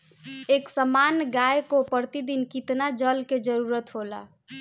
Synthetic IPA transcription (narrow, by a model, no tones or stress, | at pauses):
eksəmanɡajkopəɾt̪id̪inkit̪nad͡ʒəlked͡ʒəɾuɾət̪ɦola̰